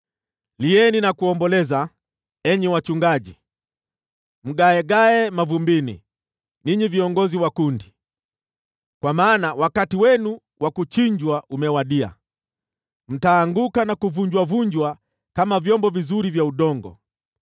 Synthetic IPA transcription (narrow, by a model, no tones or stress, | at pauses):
liɛninakuɔmbɔlɛza | ɛɲɛwat͡ʃuŋɡaʄi | m̩ɡaɛɡaɛmavumbinḭ | niɲiviɔŋɡɔziwakundi | kwamaːnawakatiwɛnu | wʔakut͡ʃiɲd͡ʒwaʔumɛwaɗia̰ | m̩taːŋɡukanakuvuɲd͡ʒwavuɲd͡ʒwa | kamavjɔmbɔvizuɾivjauɗɔŋɡɔ̰